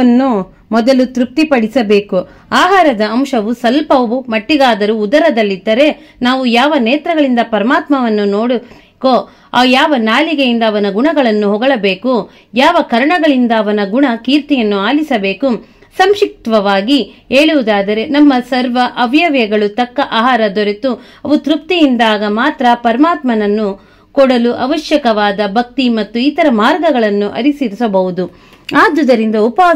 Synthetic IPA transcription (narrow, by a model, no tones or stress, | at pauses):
ɐnːu | mɔd̪ɐlut̪ɾup̚t̪ipɐɽisɐbe̞ːku | aːɦaːɾɐd̪ɐːmʃɐʋusɐlpɐʋumɐʈːid̪aːd̪ɐɾuːd̪ɐɾɐd̪ɐlːid̪ːɐɾe̞ | naːʋujaːʋɐneːt̪ɾɐɡɐɭind̪ɐpɐɾɐmaːt̪mɐʋɐnːunoːɽu | ko | aːjaːʋɐnaːliɡejind̪ɐːʋɐnɐɡuɳɐɡɐɭɐnːuɦɔɡɐɭɐbe̞ːku | jaːʋɐkɐɾɐɳɐɡɐɭind̪ɐːʋɐnɐɡuɳɐkiːɾt̪ijɐnːuaːlisɐbe̞ːku | sɐmʃik̚t̪ʋɐʋaːɡieːɭuʋud̪aːd̪ɐɾe̞nɐmːɐsɐɾʋɐʔɐʋjɐʋjɐɡɐɭut̪ɐkːɐʔaːɦaːɾɐd̪ɔɾet̪u | ɐʋut̪ɾuk̚t̪ijind̪aːɡɐmaːt̪ɾɐpɐɾɐmaːt̪mɐnɐnːu | kɔɽɐluʔɐʋɐʃjɐkɐʋaːd̪ɐbʱɐk̚t̪imɐt̪ːuit̪ɐɾɐmaːɾɡɐɡɐɭɐnːuʔɐ̰ɾisiɾisɐbɐɦud̪u | aːd̪ud̪ɐɾind̪ɐupa